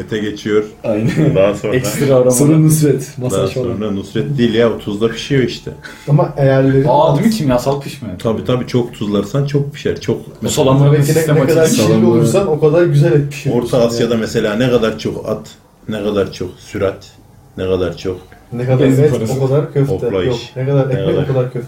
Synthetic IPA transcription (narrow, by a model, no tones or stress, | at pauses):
mɛt̪ʰɛɟet͡ʃʰijoɾ̥ajnd̪aɦsonɛsat̪ɾaɾauɾunusɾɛt̪masaʃsonanusɾɛt̪̚d̪iːlʲjaut̪ʰuzd̪ˠabi̥ʃijoiʃt̪ʰɛ̰ | amaejæɾlʲe̞ɾad̪ɯmit͡ʃʰinjasalˠk̪ʰɯʃmaat̪ʰabiːt̪ʰabiːt͡ʃʰo̞kt̪ʰuzlˠaɾsant͡ʃʰok̚bi̥ʃæɾt͡ʃʰok | msalˠambɛid̪ɛɛkad̪aɾʃiaolˠujuɾsano̞kʰad̪aɾɟyzælʲɛt̪̚mi̥ʃoɾt̪ʰaːsjad̪amɛse̞lʲaːnɛkʰad̪aɾt͡ʃʰoka̰t̪ | nɛkad̪aɾt͡ʃʰoksyɾat̪ | nɛkad̪aɾt͡ʃʰoknɛkad̪aɾɛt̪okʰad̪aɾkʲʰøfok̪ʰɛlˠajʃnɛkʰad̪aɾɛɛkɛd̪oaɾkʰad̪aɾkʰøft̪